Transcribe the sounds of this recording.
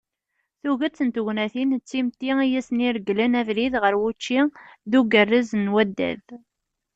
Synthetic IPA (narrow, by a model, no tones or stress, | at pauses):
θuɣæt͡sːənt̪uʝnæθint͡sːimt̪iijæsniɾɡlænævɾiðʁəɾwut͡ʃːiðuɡərːizənwæd̪ːæ̰ð